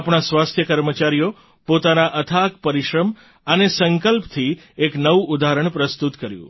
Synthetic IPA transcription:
apɳ̃asʋast̪ʰjəkəɾmət͡ʃaɾijo | pot̪anaʔət̪ʰakpəɾiʃɾəm | ənesəŋkəlpt̪ʰi | eknəʋuud̪aɾəɳ̃pɾəst̪ut̪kəɾjṵ̃

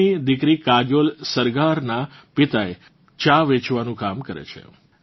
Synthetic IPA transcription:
id̪ɪkɾikad͡ʒjolsəɾɡaɾnapɪt̪ae | t͡ʃaʋet͡ʃʋanũkamkəɾḛt͡ʃʰḛ

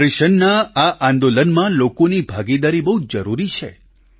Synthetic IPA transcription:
ɾiʃənːaaʔãnd̪olənmãlokonibʱaɡid̪aɾibəɦud͡ʒəɾuɾit͡ʃʰḛ

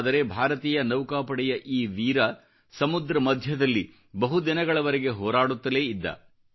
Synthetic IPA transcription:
d̪ɐɾe̞bʱaːɾɐt̪iːjɐnɐwkaːpɐɽɛjɐʔiːʋiːɾɐ | sɐmud̪ɾɐmɐd̪ʱjɐd̪ɐlːi | bɐɦud̪inɐɡɐɭɐʋɐɾeɡe̞ɦɔːɾaːɽut̪ːɐle̞ːid̪ːɐ̰

